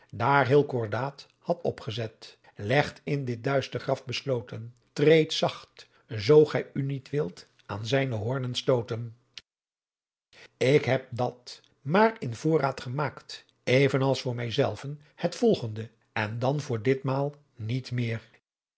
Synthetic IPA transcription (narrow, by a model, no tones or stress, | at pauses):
daːɹɦɪːlˠkʊɹdaːt | hɑtɔ̰pχəzɛt | lɛχtɪndɪt̚dœɥstəχrɑfbəslowtən | trejtsɑχt | zowχɛjynitʋɪlˠt | aːnzɛjnəɦɔɹnənstowtən | ɪkɦɛp̚dɑt | maːrɪnv̥ʊːraːtχəmaːkt | ejvənɑlˠsfʊːɹmɛjzɛlˠvən | hətfɔlˠχəndə | ɛndɑnvʊːɹdɪtmaːlˠ | nitmɪːr